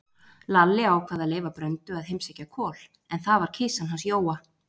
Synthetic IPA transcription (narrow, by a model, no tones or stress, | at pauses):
lalːɪawkʰvaːðaleːjvapɾœnt̪ʏaðɦejmsɛcːakʰɔːl̥ | ɛnθavaɾ̥cʰɪːsanɦansjoːwa